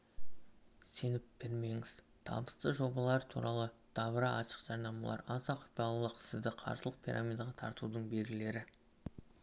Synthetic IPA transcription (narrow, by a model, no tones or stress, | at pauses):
se̞nɪp̚b̥ɪɾme̞ŋɪz̥ | t̪ʰɑ̰lˠmpə̥st̪əʒo̞bɑlˠɑɾt̪ʰṵɾɑlˠəd̪̥ɑβəɾɑʔɑʃə̥qʒ̥ɑɾnɑmɑlˠɑ̰ɾɑzɑqʰʊ̥pɑlˠlˠəqsɪzd̪ɪqʰɑ̰ɾsəlˠəq̚pʲʰiɾʔa̰mʲijd̪ɑʁɑt̪ʰɑɾt̪ud̪əɴbe̞lʲɡʲɪle̞ɾɪ